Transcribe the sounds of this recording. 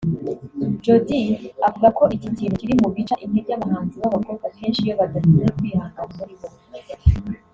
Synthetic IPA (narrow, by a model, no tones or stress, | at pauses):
d͡ʒodiavuɡako̞ʔicitiːɾociɾimuβit͡ʃaʔinebjaβaɦaːnziβaβako̞ːbɡakʰe̞ːnʃijo̞βadaʃiejekwiːhaːŋɡauzuɾiβo